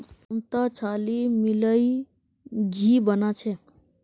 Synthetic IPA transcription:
mt̪ət͡ʃʰalimiləi | ɡʱibənat͡ʃʰɛ

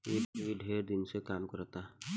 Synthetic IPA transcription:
eːkbʱiɖʱeːɾd̪ɪnsekaːmkəɾt̪aː

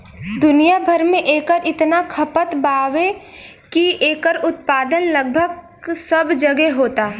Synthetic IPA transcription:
d̪ʊnijabʱɐɾmẽʔeːkəɾɪt̪nakʰɐpət̪baːʋe | kieːkəɾʊt̪paːd̪ənlɐɡ̚bʱəɡ | sɐbd͡ʒɐɡeɦoːt̪aː

